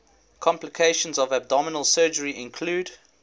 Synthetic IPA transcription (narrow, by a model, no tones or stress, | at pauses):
kʰɔ̃mplɪkʰeɪʃə̃nzɔvæb̚dɔmənəlˠsɜːd͡ʒəɹiʔɪ̃nkʰluːd